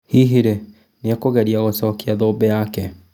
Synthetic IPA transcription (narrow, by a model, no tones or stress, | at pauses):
hiɦiɾe | neakoɣɛɾiaɣosɔkeaðoːbɛjakɛ